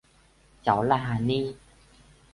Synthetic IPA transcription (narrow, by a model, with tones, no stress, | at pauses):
t͡ɕa˨˦wla˧ɦa˧˦niː˦˥˨